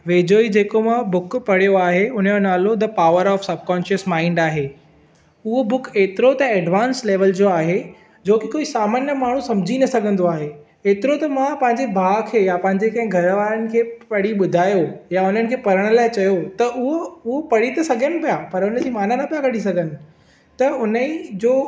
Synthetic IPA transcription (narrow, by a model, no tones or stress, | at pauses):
ʋeːd͡ʑoːid͡ʑeːkomãbʊkpɐɽ̤ijoaːɦeʊn̤əjonaːlot̪̬ɐpaːʋəɾɔːfsɐb̚ʱkɔ̃ːnʃəsmãːɪ̃ɳɖaːɦe | ʊɦobʊkeːt̪ɪɾot̪ɐɛːɖʋaːnsleːʋəld͡ʑoːaːɦe | d͡ʑoːkikoːisaːmaːnjəmaːɳ̤̃ũsɐ̃md͡ʑʱinɐsɐɡʱə̃nd̪oaːɦe | eːt̪ɪɾot̪ɐmãpɐ̃ɦɪ̃ɲd͡ʑebʱaːkʰeːjapɐ̃ɦɪ̃ɲd͡ʑekɐ̃ɦɪ̃ɡʱɐɾʋaːɾənɪ̆kʰeːpɐɽ̤iɓʊd̪ʱaːjojaʊn̤ənɪ̆kʰeːpɐɾəɽ̃ə̆laːɪt͡ɕɐjot̪ɐʔʊɦoʊɦopɐɽ̤it̪ɐsɐɡʱənɪ̆pijapɐɾʊnə̆d͡ʑiːmaːnanɐpijakɐɽ̤is̬ɐɡʱənɪ̆ | t̪ɐʊnəid͡ʑoː